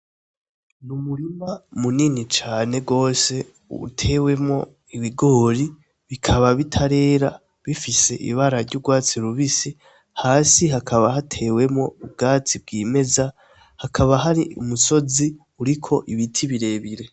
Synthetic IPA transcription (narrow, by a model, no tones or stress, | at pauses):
numuɾimamuninit͡ʃaːne̞ɡo̞ːse̞ | ṵtʰe̞we̞mo̞ | iβiɡo̞ːɾi | βikʰaβaβitʰaɾe̞ːɾa | βifise̞ʔḭβaɾaɾɟuɡwaːt͡siɾuβisi | haːsiɦakʰaβaɦatʰe̞we̞mŋo̞ub̚ɡaːt͡sibɡiːme̞za | hakʰaβaɦaɾiʔumuso̞zi | uɾikʰo̞ʔiβitʰiβiɾe̞βiɾe̞